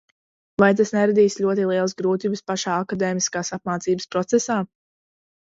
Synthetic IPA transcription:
vajt̪̬asnɛɾad̪iːsʎʲuɔt̪̬ilˠiɛlˠəsɡɾuːt̪iːbɨspaʃaːakad̪eːmiskaːsap̚maːt̪siːbɨspɾɔt̪sɛsaː

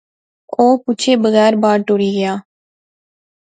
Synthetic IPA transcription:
oːpʊt͡ʃʰeːbəɣɛːɾbaːɾʈoːɽiːɡɪjaː

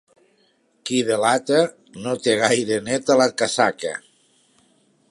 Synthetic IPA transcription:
kiðelat̪a | not̪eɣ̞ajɾenet̪alakasaka̰

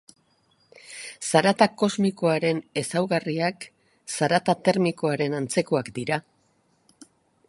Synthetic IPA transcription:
saɾat̪ako̞zmikoaɾe̞ne̞sawɣariak | saɾat̪at̪e̞ɾmiko̞aɾe̞nant͡se̞ko̞akd̪iɾa

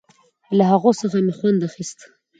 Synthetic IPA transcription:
laɦaɣosəxamexwand̪axist̪

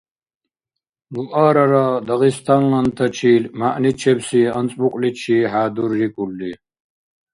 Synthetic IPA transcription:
luʔaːɾɐɾɐd̪ɐɣist̪ʰɐŋlɐnt̪ʰɐt͡ʃʰiːlmaʔnit͡ʃʰɛbsiɐnt͡sʼmuqʼlit͡ʃʰiɦaːd̪urːikʼulːi

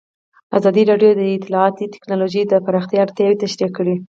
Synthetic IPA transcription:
azɑd̪iɾɑɖjod̪əɪt̪ɪlɑɑt̪it̪ɪ̥knɑloʒəjd̪əpaɾɑxt̪jaaɾt̪jɑwet̪aʃɾakəɽi

